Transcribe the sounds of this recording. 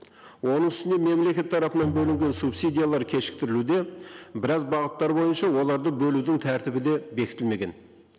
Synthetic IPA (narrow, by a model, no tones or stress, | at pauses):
wʔo̞nəŋʏst̪ɪneme̞mle̞kʲe̞t̪ʰːɑɾɑpənɑnbɵlɪŋɡʲe̞nsupsid̪ijalˠɑɾkʲʰe̞ʃɪ̥k̚t̪ɪɾɪlud̪e̞bɪɾɑzbɑʁət̪ːɑɾbo̞jənʃɑwo̞lˠɑɾd̪əbɵlud̪ɪŋt̪ʰæɾt̪ɪbɪd̪e̞be̞kʲɪt̪ɪlme̞ɡʲe̞̰n